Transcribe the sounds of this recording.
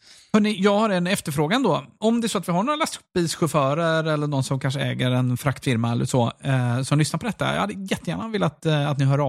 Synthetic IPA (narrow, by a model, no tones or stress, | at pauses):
hœːɳɪjɑːɡhaɾɛnɛft̪əɾfɾoːɡand̪ɔɔmd̪ɛæɾsɔat̪vɪhaɳoːɾalastɵ̥pːiːsɧɵfœːɾəɾɛlːəɳɔnsɔmkʰanʂəɛ̰ːɡəɾɛnfɾakt̪fɪɾmaɛlːə̰ʂɔsɔmlʏsnaɾpʰɔd̪ɛt̪ːa̰j̰had̪ːəjɛt̪ːəjæːɳavɪːlat̪at̪nɪɦœːɾɑ